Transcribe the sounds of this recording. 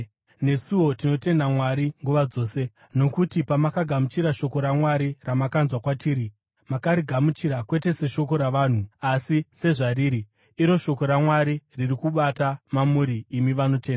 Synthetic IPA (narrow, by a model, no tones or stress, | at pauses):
ne̞suwo̞tino̞te̞ndamwaɾiŋɡuʋad͡zo̞ːse̞ | no̞kutipamakaɡʱamut͡ʃiɾaʃo̞ko̞ɾamwaɾiramakanzwakwatiːɾi | makaɾiɡʱamut͡ʃiɾakwe̞te̞se̞ʃo̞ko̞ɾaʋaːn̤uasise̞ʐariːɾiː | ɾo̞ʃo̞ko̞ɾamwaɾiririkuɓatamamuɾiːmiʋano̞te̞ːnda